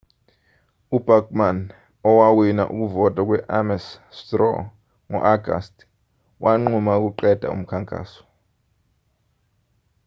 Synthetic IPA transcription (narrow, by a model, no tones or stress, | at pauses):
ub̥ʱakʼman | ɔwawina̰ʔuk̬uvɔtʼwak̬ʼwɛʔamɛstrɔ̰ | ŋɔ̰ʔaɡʱa̰stʰʼ | wʔaŋ͡ǃumauk̬uǃɛd̥ʱa̰ṵm̩kʰaŋkʼa̰ːsɔ̥